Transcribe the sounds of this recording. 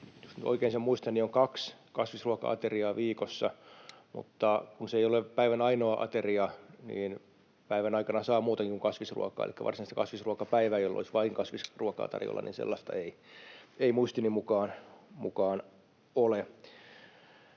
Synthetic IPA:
josnyt̪o̰ikeːnsemmuist̪ɑnːioŋkɑkskɑsʋisruɑkɑ̰ɑ̰t̪eriɑːʋiːkosːɑmṵt̪ːɑkunseijolepæiʋænɑinoɑʔɑ̰t̪eriɑnḭːn | pæiʋænɑikɑnɑsɑːmuːt̪eŋkikuŋkɑsʋisrṵɑkɑ̰ːḛlikːæ̰ʋɑ̰rsinist̪ækɑ̰sʋisruoɑkɑpæiʋæːjolːo̰lisʋɑiŋkɑsʋisruɑkɑ̰ːt̪ɑ̰rjo̰lːɑ̰nḭːnsḛlːɑst̪ɑ̰ei | eimuist̪inimukɑːnmṵkɑːn | ole

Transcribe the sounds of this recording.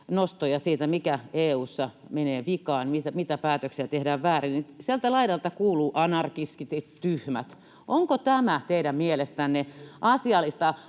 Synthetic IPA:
nost̪ojɑsiːt̪æmikæeːuːsːɑmeneːʋikɑːnmit̪æmit̪æpæːt̪øksiæt̪ehdæːʋʋæːrinnisielt̪ælɑidɑlt̪ɑkuːluːʔɑnɑrkiskit̪it̪yhmæt̪ | ʔoŋkot̪æmæt̪eiɾæmmielest̪ænːeʔɑsiɑlːˑist̪ɑ

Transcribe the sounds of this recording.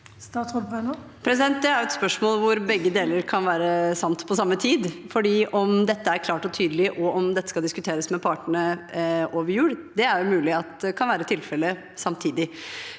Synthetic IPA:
st̪ɑsɔɾɑn | pʰɾɛsɪd̪ɛnt̪̚d̪ɛæɾjʊɛt̪spœʂmoːlʋʊɾbɛɡːəd̪eːləɾkʰɑnʋæːɾəsɑmt̪pʰɔsɑmːət̪ʰiːd̪fɔɖiːʔɔmd̪ɛt̪ːəæɾkʰlɑːʈɔt̪ʰyːd̪əlɪʔɔɔmd̪ɛt̪ːə̥skɑld̪ɪskʉt̪ʰeːɾəsmɛpʰɑːʈəɳəʔoːʋəɾjʉːɽd̪ɛæɾjʊmʉːlɪɑt̪kʰɑnʋæːɾət̪ʰɪlfɛlə | sɑmt̪ʰiːd̪ɪ

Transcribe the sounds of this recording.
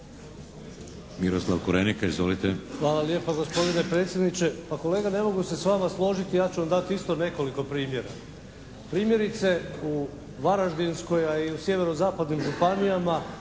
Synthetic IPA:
miɾoslˠaʋkuɾenikaizʋolit̪exʋaːlalje̞ːpaɡo̞spo̞d̪ine̞pɾe̞t̪sjed̪nit͡ɕe̞pako̞le̞ːɡane̞mo̞ɡuse̞sʋamaslˠo̞ʒit̪ijaːt͡ɕuʋamd̪at̪iist̪o̞ne̞ko̞liko̞pɾiːmje̞ɾa̰ | pɾiːmje̞ɾit̪se̞u | ʋaɾaʒd̪insko̞jaiusje̞ʋe̞ɾo̞zaːpad̪nimʒupanijama

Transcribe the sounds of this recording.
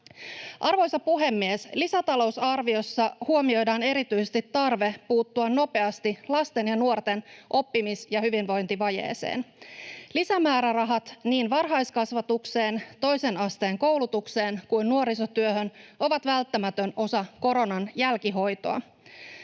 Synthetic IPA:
ʔɑrʋo̞jsɑpuɦe̞mːieslisæt̪ɑlo̞wsɑrʋio̞sːɑhuo̞mio̞jdɑːne̞ɾit̪yjsest̪it̪ːɑrʋe̞puːt̪ːuɑnːo̞pe̞ɑst̪ilɑst̪e̞njɑnuort̪e̞nʔo̞pːimisjɑhyʋinʋo̞jnt̪iʋɑje̞̰ːsḛːnlisæmæːɾærɑɦɑt̪niːnʋɑrɦɑjskɑsʋɑt̪ukse̞ːnt̪o̞jsenɑst̪e̞ːŋko̞wlut̪ukse̞ːnkujnːuo̞ɾiso̞t̪yøɦøno̞ʋɑt̪ʋælt̪ːæmæt̪øno̞sɑko̞ɾo̞nɑnjælkiɦo̞jt̪oɑ̰

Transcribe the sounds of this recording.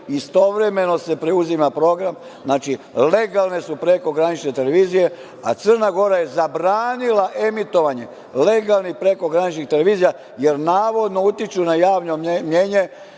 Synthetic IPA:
ist̪o̞ʋɾe̞me̞no̞se̞pɾeuzimapɾo̞ɡɾam | znaːt͡ʃile̞ɡalˠne̞supɾe̞ko̞ɡɾanit͡ʃnet̪e̞le̞ʋiːzije̞ | a̰t̪sərnaɡo̞ɾaje̞zabɾaːnilaʔe̞mit̪o̞ʋaɲe̞ | le̞ɡalˠnipɾe̞ko̞ɡɾanit͡ʃnixt̪eleʋiːzija | je̞ɾnaːʋo̞d̪no̞ut̪it͡ʃunajaːʋno̞mje̞ːɲe̞

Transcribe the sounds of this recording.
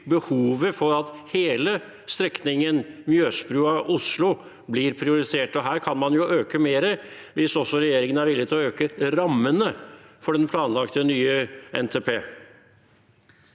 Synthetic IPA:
bəhuːʋəfɔɾɑt̪heːlə | st̪ɾɛknɪŋənmjøːspɾʉːɑʔʊslʊ | blɪɾpʰɾɪʊɾɪt̪ʰeːʈɔɦæːɾkʰɑnmɑnjʊʔøːkəmeːɾəʋɪsɔsːɔɾɛjeːɾɪŋənæɾʋɪlːɪt̪ɪlɔøːkəɾɑmːənəfɔɖɛnpʰlɑːnlɑkt̪ənyːəʔɛ̰nt̪ʰeːpʰeː

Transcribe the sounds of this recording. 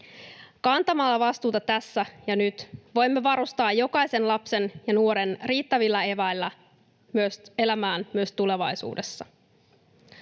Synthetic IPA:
kɑnt̪ɑmɑlːɑʋɑst̪uːt̪ɑt̪æsːæjɑnyt̪ʋo̞jmːeʋɑɾust̪ɑːjːo̞kɑjse̞nlɑpse̞njɑnuo̞ɾe̞nriːt̪ːæʋilːæe̞ʋæjlːæ | myøse̞læmæːnmyøst̪ule̞ʋɑjsṵːde̞sːɑ

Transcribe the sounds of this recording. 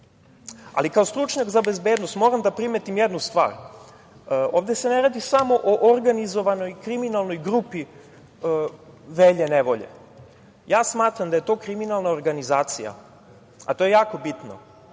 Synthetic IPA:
a̰likao̞st̪ɾut͡ʃɲakzabezbeːd̪nost̪mo̞ɾamd̪apɾimet̪imjed̪nust̪ʋa̰ːɾ | oːʋd̪ese̞neɾad̪isamo̞ʔoʔoɾɡanizo̞ʋano̞jkɾiminalˠno̞jɡɾupi | ʋeʎeneʋo̞̰ʎḛ | jaːsmaːt̪ɾamd̪aje̞t̪o̞ːkɾiminalˠnaoɾɡanizaːt̪sija̰ | a̰t̪o̞jejaːko̞bit̪no̰

